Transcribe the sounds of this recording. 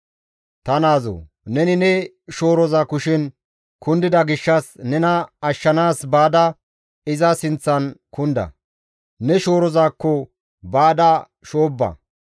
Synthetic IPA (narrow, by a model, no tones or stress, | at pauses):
t̪ɐnaːzo̰ | nɛnɪnɛ | ʃo̞ːɾɔzaːkʊʃɪn | kʊnd̪ɪd̪ɐɡɪʃːɐsnɛnɐɐʃːɐnaːsbaːd̪ɐ | ɪzɐsɪnt͡sːɐnkʊnd̪ɐ̰ | nɛʃo̞ːɾɔzaːkːɔ | baːd̪ɐ | ʃoːbːɐ̰